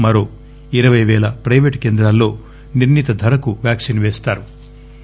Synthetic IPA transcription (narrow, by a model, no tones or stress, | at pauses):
mɐɾo̞ː | iɾɐʋɐjʋɛːlɐpɾɐjʋeʈkeːnd̪ɾaːlːo̞ː | niɾnit̪ɐd̪ʱɐɾɐkuʋjaːksinʋeːst̪aːɾu